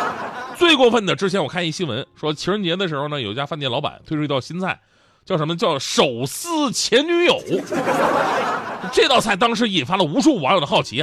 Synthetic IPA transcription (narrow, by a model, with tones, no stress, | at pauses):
t͡swe˥˧ɪkwɔ˥˧fə˥˩nd̪ə˩ʈ͡ʂɻ̩˥t͡ɕʰjɛ˧˥nwkʰa˥˧ni˥˩ɕi˥nwə̰˧˥nʂwɔ˥t͡ɕʰi˧˥ʂɻə˥n˧ɛ˥d̪ə˩ʂɻ̩˧˥xo˧ʊnə˩jo˨˩i˥t͡ɕja˥fnt̪jɛ˥˩nlɑ˧˥pa̰˨˩˦nt̪ʰwe˥˧ʈ͡ʂʰt̪ɑ˥˧˩ɕi˥nt͡sʰa̰˥˩ɪ | t͡ɕjʊʂə˧˥mə˧t͡ɕjɑ˥˩ʊʂo˨˩ʊsɹ̩˥˩t͡ɕʰjɛ˧˥nny˧˥jo˨˩˦ʊ | ʈ͡ʂɪt̪ɑ˥˧ʊt͡sʰa˥˩ɪt̪ɑ˥ŋʂ̬ɻ̩˧˥i˨˩nfa˥lə˨u˧˥ʂu˥˩wnjo˨˩d̪əxɑ˥˩ʊt͡ɕʰḭ˧˥